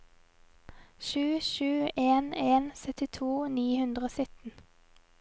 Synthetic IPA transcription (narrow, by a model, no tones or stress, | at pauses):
ʃʉːʃʉːʔeːneːnsœt̪ɪt̪ʰuːniːhʉnd̪ʁəoːsʏt̪n̩